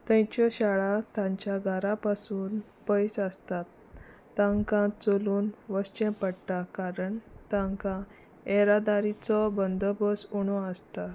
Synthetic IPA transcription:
t̪ə̃jt͡ɕɔɕaɭat̪ãɲt͡ɕjaɡʱaɾapasuːn | pəjsəst̪at̪ː | ãŋkãt͡soluːnʋəst͡ɕẽpəɽʈakaɾəɳt̪ãŋkã | ɛɾad̪aɾit͡sɔbənd̪ʱəbəsuɽ̃ɔəst̪a

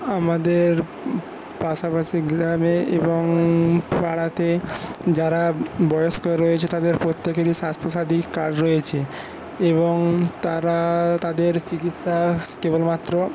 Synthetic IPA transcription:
amad̪eɾ | paʃapaʃiɡɾameeboŋpaɽat̪ed͡ʑaɾabɔjoʃkoeɾɔjet͡ɕʰet̪ad̪eɾpɾot̪ːekeɾiʃast̪ʰoʃad̪ʱikaɖɾɔet͡ɕʰe | eboŋt̪aɾat̪ad̪eɾt͡ɕikit̪ʃaskebolmat̪ːɾo

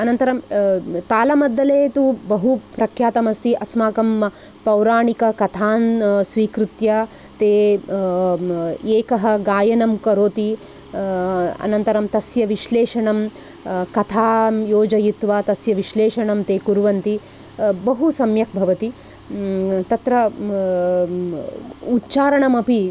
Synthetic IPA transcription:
ɐnɐnt̪ɐɾɐmt̪aːlɐmɐd̪ːɐleːt̪ubɐɦupɾɐkʰjaːt̪ɐmɐst̪iʔɐsmaːkɐm | pɐwɾaːɳikɐkɐt̪ʰaːnsʋiːkɾut̪jɐ | t̪eː | eːkɐɦɐ̆ɡaːjɐnɐmkɐɾoːt̪i | ɐ̰nɐnt̪ɐɾɐmt̪ɐsjɐʋiʃleːʂɐɳɐm | kɐt̪ʰaːjoːd͡ʒɐjit̪ʋaːt̪ɐsjɐʋiʃleːʂɐɳɐmt̪eːkuɾʋɐnt̪i | bɐɦusɐmjɐk̚bʱɐʋɐt̪i | t̪ɐt̪ɾɐ | utːt͡ʃaːɾɐɳɐmɐpi

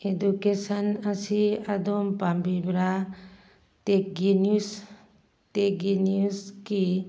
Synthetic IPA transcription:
edukesanasiad̪ɔmpambibɾa | t̪ekɡenus | tekɡeniuski

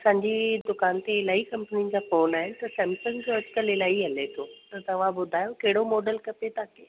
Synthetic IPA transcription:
ɐsãːɲd͡ʑid̪ʊkaːnt̪eɪlaːikɐ̃mpnid͡ʑaːfoːnaːɦɪnɪ̆t̪ɐsɛ̃ːmsə̃nd͡ʑoːɐd͡ʑkəlɪlaːiɦɐlet̪ʰoːt̪ɐt̪ɐʋ̤ãbʊd̪ʱaːjokɐɦɪɽomɔːɖəlkɐpet̪aːke

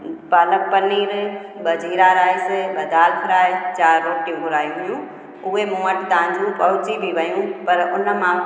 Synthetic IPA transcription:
paːlək̚pəniːɾ | bəd͡ʒʱiːɾaɾaːiseɓɐd̪aːlkʰəɾaːet͡ʃaːɾːoːʈijũbʊɾaːjũɦʊjũ | ʊɦemũːəʈt̪ãːɲd͡ʒũpɐɦʊt͡ʃibʱiʋəjũːpɐɾʊnəmã

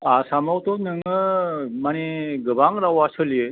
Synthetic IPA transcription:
asamɔwt̪ɔnɯŋɯmaneɡəbaŋɾawasəlije

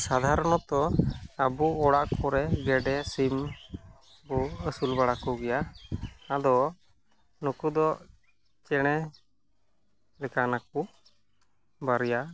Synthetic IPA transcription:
sad̪ʱaɾɔñɔt̪ɔəbuɔɽaʔkɔɾɛɡɛɖɛsim | bɔəsulbaɽakɔɡɛja | ad̪ɔ | nukud̪ɔ | t͡ʃɛɽ̃ɛ | lɛkanak̚u | baɾija

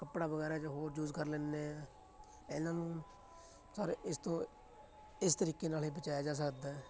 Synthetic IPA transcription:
kəpɽaːbəɡɛːɾaːt͡ʃɦoːɾd͡ʒuːzkəɾleːnːeɛː | nãːnũː | saːɾeʔɪst̪õː | ɪst̪əɾiːkeːnaːlɦiːbət͡ʃaːjaːd͡ʒaːs̬əkd̪aːɛː

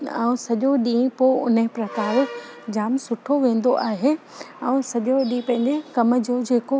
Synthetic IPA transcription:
a̰ːũsɐʄoɗĩːẽpoʊnəɦɪ̃pɾɐk̪aːɾʊ | d͡ʑaːmsʊʈʰoʋẽːn̆d̪oʔaːɦe | ɛ̃ːsɐʄoɗĩpɐ̃ɦɪ̃ɲd͡ʑekɐmə̆d͡ʑoːd͡ʑeːko

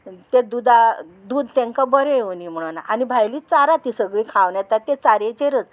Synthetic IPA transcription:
t̪ed̪ud̪ad̪uːd̪t̪ɛ̃ŋkabəɾeoniːm̤əɽ̃na̰ʔanibʱajliːt͡saɾat̪isəɡɭiːkʰãʋɳjɛt̪at̪ːet͡saɾet͡ɕeɾət͡s

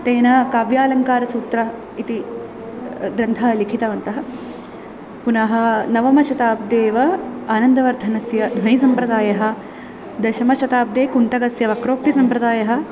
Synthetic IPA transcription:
t̪eːnɐkaːʋjaːlɐŋkaːɾɐsuːt̪ɾɐ | it̪i | ɡɾɐnt̪ʰɐɐlikʰit̪ɐʋɐnt̪ɐɦɐ | punɐɦɐ̆nɐʋɐmɐʃɐt̪aːp̚d̪eːʋɐaːnɐnd̪ɐʋɐɾd̪ʱɐnɐsjɐd̪ʱɐjisɐmpɾɐd̪aːjɐɦɐ̆ | d̪ɐʃɐmɐʃɐt̪aːp̚d̪eːkunt̪ɐɡɐsjɐʋɐkɾoːk̚t̪isɐmpɾɐd̪aːjɐɦɐ̆

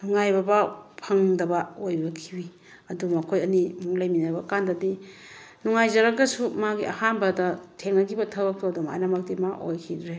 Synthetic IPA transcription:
nuŋajbɐbapʰaŋdɐbɐojbɐkʰibi | ɐdumɐkʰojɐnimuŋlajminɐbɐkandɐdinuŋajzɐɾak̚ːɐsumaɡiʔɐhanbɐdɐtʰeŋnɐɡibɐtʰawak̚tɔɐduma̰jnɐmɐk̚dimaʔojkʰidɾe

